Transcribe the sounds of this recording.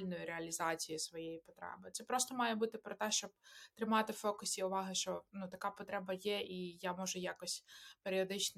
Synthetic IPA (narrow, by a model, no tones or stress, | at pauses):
lʲnɔjʊɾeɐlʲizɑt͡sʲijisʋɔjejipɔ̥t̪ɾɛ̰bɪt̪sɛpɾɔst̪ɔmɑjɛbut̪ɪpɾɔt̪ɛʃt͡ʃɔb̚t̪ɾɪmɑt̪ɪfɔkʊsʲiʊʋɑɦɪʃt͡ʃɔnut̪ɐkɑpɔt̪ɾɛbɐjɛʔijamɔʒʊjakɔsʲpeɾʲiɔd̪ɪt͡ʃn